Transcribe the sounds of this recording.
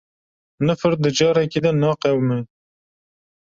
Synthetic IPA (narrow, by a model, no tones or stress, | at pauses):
nɨfɨɾ̚d̪ɨd͡ʒɑːɾɛkiːd̪ɛnɑːqɛwmɛ